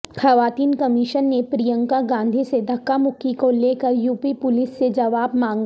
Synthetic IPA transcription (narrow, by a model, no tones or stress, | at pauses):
xɐʋaːt̪iːnkɐmɪʃənːepɾijə̃ŋkaɡãːnd̪ʱised̪ʱɐkːamʊkːikoleːkɐɾjuːpipʊlɪsːed͡ʒɐʋaːbmãːŋɡ